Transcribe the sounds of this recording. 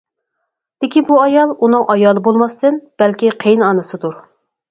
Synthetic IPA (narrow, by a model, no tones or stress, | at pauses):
d̪̥ɪkʲibuɑjɑlˠunɨŋʔɑjɑːlˠɨbolˠmɑst̪ɨnb̥ælkʲiqʰejnɑnɨsɨd̪uɾ